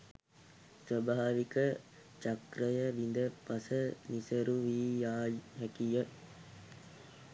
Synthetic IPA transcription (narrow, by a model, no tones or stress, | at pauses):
sʋəbʱaːʋikə | t͡ʃakɾəjəʋind̪əpasənisəɾuʋiːjaːjɦɛkijə